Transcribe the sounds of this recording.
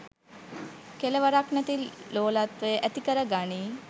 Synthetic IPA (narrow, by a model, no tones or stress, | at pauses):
keləʋəɾaknɛt̪iloːlat̪ʋeʔæt̪ikəɾəɡaɳiː